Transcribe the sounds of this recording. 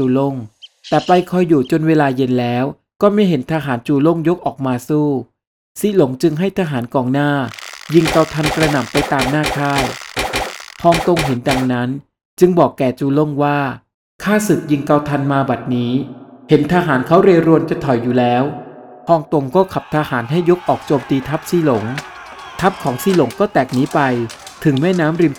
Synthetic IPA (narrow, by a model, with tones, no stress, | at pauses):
uː˧lo˥˩ŋt̪ɛː˨˩pa˧jkʰɔ˧jːuː˨˩t͡ɕo˧nweː˧laː˧je˧nlɛː˦˥w | kɔː˥˩ma˥˩jɦe˩˦nt̪ʰaː˧ɦaː˩˦nt͡ɕuː˧lo˥˩ŋjo˦˥k̚ʔɔː˨˩k̚maː˧suː˥˩ | siː˦˥lo˩˦ŋt͡ɕɯ˧ŋɦa˥˩jt̪ʰaː˧ɦaː˩˦nkɔː˨˩ŋnaː˥˩ji˧ŋka˧wt̪ʰa˧nkɾa˧na˨˩mpa˧jt̪aː˧mnaː˥˩kʰaː˥˩j | hʰɔː˧ŋt̪o˧ŋɦe˩˦nda˨˩ŋna˦˥n | t͡ɕɯ˧ŋbɔː˨˩kːɛː˨˩t͡ɕuː˧lo˥˩ŋwaː˥˩ | kʰaː˥˩sɯ˨˩k̚ji˧ŋka˧wt̪ʰa˧nmaː˧ba˨˩t̪̚niː˦˥he˩˦nt̪ʰaː˧ɦaː˩˦nkʰa˦˥wɾeː˧wɾu˧ənt͡ɕa˨˩t̪ʰɔ˨˩jːuː˨˩lɛː˦˥wpʰɔː˧ŋt̪o˧ŋkɔː˥˩kʰa˨˩p̚t̪ʰaː˧haː˩˦nɦa˥˩jːo˦˥k̚ʔɔː˨˩k̚t͡ɕoː˧mt̪iː˧t̪ʰa˦˥p̚siː˦˥lo˩˦ŋ | t̪ʰa˦˥p̚kʰɔː˩˦ŋsiː˧˥˩lo˩˦ŋkɔː˥˩t̪ɛː˨˩k̚niː˦˥pa˧jt̪ʰɯ˨˩˦ŋmɛː˥˩naː˦˥mɾi˧m